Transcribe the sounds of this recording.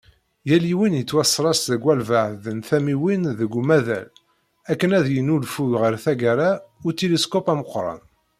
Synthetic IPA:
jæliwinjət͡sːwæsːɾˤɑsðəɡwælvaʕðənθæmiwinðəɡʷːumæðæ̰l | ækːənæðjənulfuʁəɾθæɡaɾaʊt̪iliskɔpæməqːɾˤɑ̰n

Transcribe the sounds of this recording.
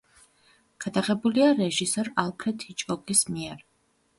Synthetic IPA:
ɡ̥ad̪aʁɛbuliaɾɛʒisɔɾalˠkʰɾɛt̪ʰit͡ʃʼɔɡismiɛɾ

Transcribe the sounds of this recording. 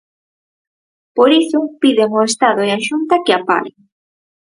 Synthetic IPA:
poɾisopiðeŋoest̪aðoeaʃunt̪akeapa̰ɾḛŋ

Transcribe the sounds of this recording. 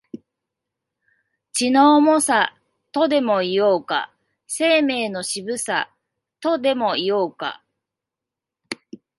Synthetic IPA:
t͡ɕinoːmo̞sa | t̪o̞d̪e̞mo̞ijoːka̰ | se̞ːme̞ːno̞ɕibɯ̟sa | t̪o̞d̪e̞mo̞ijoːka̰

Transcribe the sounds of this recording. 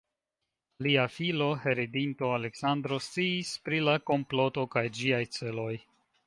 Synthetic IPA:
liafilo̞he̞ɾedinto̞ale̞ksand̪ɾo̞st͡siːspɾilako̞mplo̞to̞kajd͡ʒiajt͡se̞lo̞j

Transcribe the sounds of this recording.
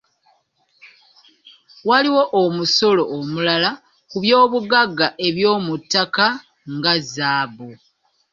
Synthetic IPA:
waliwo̞ʔomuso̞lo̞ʔːmulala | kuβjo̞ːβuɡaɡːaʔe̞βjo̞ːmutːaka | ŋɡazaːβo

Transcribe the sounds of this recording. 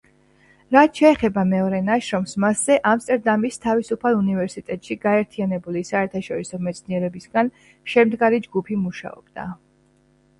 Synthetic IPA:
ɾat̪ʰʃʰɛːχɛbamɛɔɾɛnaʃɾɔmsmasz̥ɛʔamst̪ʼɛɾd̪amist̪ʰavisupʰalˠunivɛɾsit̪ʼɛt̪ʼʃiɡaɛɾt̪ʰianɛbulisaɛɾt̪ʰaʃɔɾisɔmɛt̪sʰniɛɾɛbisɡan | ʃɛmd̪ɡaɾid͡ʒɡupʰimuʃa̰ɔ̰b̥d̪̥a̰

